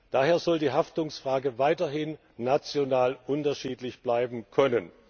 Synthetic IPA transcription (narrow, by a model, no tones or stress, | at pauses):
d̥aːɦeːɐzɔldiːɦaftʊŋsfʁ̥aːɡəvaɪtɐɦɪnː | at͡sjonaːlʔʊntɐʃiːtlɪçb̥laɪbm̩kʰœnən